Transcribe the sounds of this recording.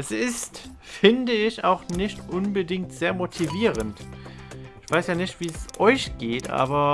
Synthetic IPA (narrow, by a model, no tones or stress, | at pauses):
ʔɛsɪst | fɪndəɪça̰ʊxnɪçtʔʊnbədɪŋk̚tz̥eːɐmotʰiviːʁənt | ɪçv̥aɪsjaːnɪçtv̥iːɛsʔɔʏçɡ̥eːtʔa̰ːbɐ